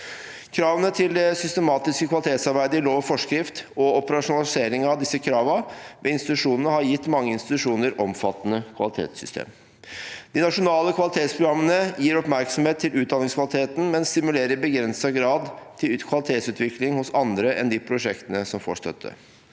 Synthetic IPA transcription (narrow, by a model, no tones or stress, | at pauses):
kʰɾɑːʋənət̪ʰɪld̪ɛsʏst̪əmɑːt̪ɪskəkʰʋɑlɪt̪ʰeːt̪sɑɾbæɪd̪əɪloːʋəfɔʂkɾɪft̪ɔɔpəɾɑʂʊnɑlɪseːɾɪŋɑʋd̪ɪsːəkʰɾɑːʋəʋɛɪnst̪ɪt̪ʉʂuːnənəhɑɾjɪt̪ːmɑŋːəɪnst̪ɪt̪ʉʂuːnəɾʔɔmfɑt̪ːənəkʰʋɑ̰lɪt̪ʰḛːt̪sʏst̪ʰḛːm | d̪̥ɪnɑʂʊnɑːləkʰʋɑlɪt̪ʰeːt̪spʰɾʊɡɾɑmːənəjiːɾɔpmæɾksɔmheːt̪ʰːɪlʉːd̪ɑnɪŋskʋɑlɪt̪ʰeːt̪n̩mɛnst̪ɪmʉleːɾəɾbəɡɾɛnsɑɡɾɑːd̪t̪ʰɪlkʰʋɑlɪt̪ʰeːt̪sʉːt̪ʰʋɪklɪŋhʊsɑnd̪ɾəʔɛ̰nd̪ipʰɾʊʂɛkt̪ənəsɔmfo̰ːʂt̪œ̰t̪ʰːə̰